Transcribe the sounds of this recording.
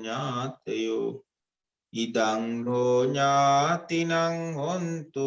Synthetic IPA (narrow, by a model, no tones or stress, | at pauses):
ɲat̪eju | idaŋɾoɲat̪inaŋhont̪u